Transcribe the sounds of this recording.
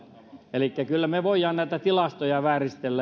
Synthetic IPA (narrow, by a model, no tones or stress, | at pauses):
elikːækylːæmeʋoijˑɑːnnæit̪æt̪ilɑst̪ojɑʋæːrist̪elːæ